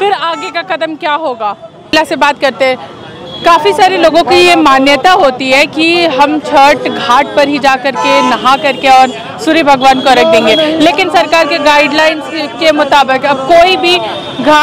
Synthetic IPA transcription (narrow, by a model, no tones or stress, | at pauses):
fɪɾaːɡekaqɐd̪əmkjaːɦoːɡaː | lasebaːt̪̚kɐɾt̪eɦɛ̃ː | kaːfisaːɾiloːɡõkijemaːnjət̪aɦoːt̪iɦɛkiɦɐmt͡ʃʰəɾʈɡʱaːʈ̚pɐɾɦid͡ʒaːkɐɾkenɐɦãkɐɾkeɔːɾ | sʊɾibʱɐɡʋaːnkoɾɐk̚ʰd̪ẽːŋɡeːleːkɪnsɐɾkaːɾkeɡaːɪɖlaːɪnskemʊt̪aːbɪkɐb̚koːibʱi | ɡʱaː